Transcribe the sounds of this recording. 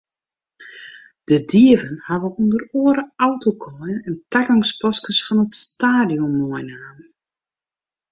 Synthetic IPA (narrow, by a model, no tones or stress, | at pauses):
d̥ədiəvənhaʋəundəroəɾəawtʰokʰɔjənəntakɔŋspɔskəsfɔnətstaːdijɔmːɔəjnaːn